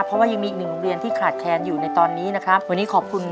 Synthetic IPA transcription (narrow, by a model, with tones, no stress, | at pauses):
pʰɾɔ˦˥waː˥˩ja˧ŋmi˧˨˩knɯ˨˩ŋɾi˧ənt̪ʰiː˥˩kʰaː˨˩t̪̚t͡ɕʰɛː˧njuː˨˩na˧jt̪ɔː˧nːiː˦˥na˦˥kʰɾa˦˥p̚u˧˩niː˦kʰɔː˨˩p̚kʰu˧n